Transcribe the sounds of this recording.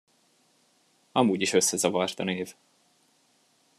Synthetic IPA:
ɒmuːɟiʃø̞sːɛzɒvɒrt̪ɒneːv

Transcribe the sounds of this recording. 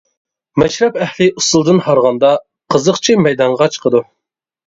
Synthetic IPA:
mɛʃɾɛpɛhlɪusulˠd̪ɨnhɑɾʁɑnd̪ɑ | qʰəzəqt͡ʃʰimɛjd̪ɑɴʁɑt͡ʃʰqʰəd̪u

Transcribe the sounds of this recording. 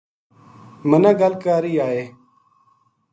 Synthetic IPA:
mənãːɡəlkaːɾiːaːɦeː

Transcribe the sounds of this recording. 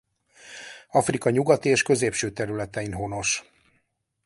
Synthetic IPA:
ɒfrikɒɲuɡɒt̪ieːʃkø̞zeːpʃøːt̪ɛɾylɛt̪ɛinɦo̞no̞ʃ

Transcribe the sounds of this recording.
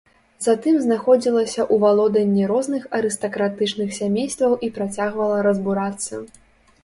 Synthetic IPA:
zat̪ɨmznaxɔd͡zʲilˠɐsʲɐʔuvalˠɔd̪ɐnʲːiɾɔznɨxɐɾɨst̪ɐkɾat̪ɨt͡ʂnɨxsʲamʲejst̪vɐwʔipɾat͡sʲaɣvɐlˠɐɾɐzbuɾat̪sːɐ̰

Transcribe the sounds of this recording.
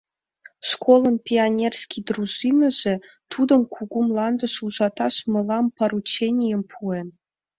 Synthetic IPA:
ʂkolˠɤ̆npʲianʲerʲsʲkʲijd̪ruʐinə̆ʒĕt̪ʰud̪ɤ̆mkʰuɡumlˠɑnd̪ɤ̆ʃuʒɑt̪ɑʂmɤ̆lˠɑmpɑrut͡ɕenʲijempʰue

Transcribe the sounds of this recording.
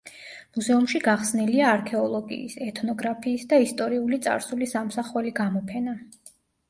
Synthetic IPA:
muzɛumʃiɡaχsniliaːɾkʰɛɔlˠɔɡḭːsɛt̪ʰnɔɡɾapʰiːsd̪aist̪ʼɔɾiulit̪sʼa̰ɾsulisamsaχwɛliɡamɔpʰɛna

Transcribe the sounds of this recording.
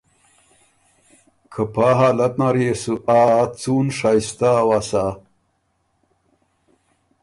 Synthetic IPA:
kʰɐpaːɦaːlɐt̪naɾjesuʔaːt͡suːnʂajst̪awasa

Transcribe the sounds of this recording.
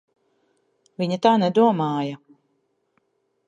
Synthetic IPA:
viɲat̪aːnɛd̪uɔmaːjɐ

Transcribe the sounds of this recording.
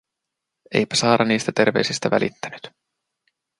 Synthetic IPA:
ḛjpæ̥sɑːɾɑniːst̪æt̪e̞rʋe̞ɥsist̪æʋæ̰lʔḭt̪ːæny̥t̪

